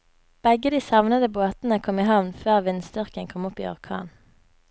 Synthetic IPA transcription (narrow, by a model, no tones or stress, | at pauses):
b̥ɛɡəd̪iːsɑʋnəd̪əboːt̪nəkʰɔmiːhɑʋnføːʁʋɪnsd̪ʏʁkəŋkʰɔmɔpḭːɔ̰ʁkʰɑ̰ːn